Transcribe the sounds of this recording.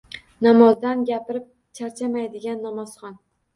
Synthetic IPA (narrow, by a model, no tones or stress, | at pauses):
namɒzd̪anɡʲapɪɾɪp̚ | t͡ʃʰaɾt͡ʃʰamajd̪ɪɡʲanːamɒz̥χɒn